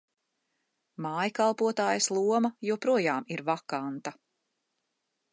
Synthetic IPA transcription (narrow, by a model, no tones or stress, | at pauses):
maːjkalˠpuɔt̪aːjɐslˠuɔmɐjuɔpɾuɔjaːmiɾvakant̪ɐ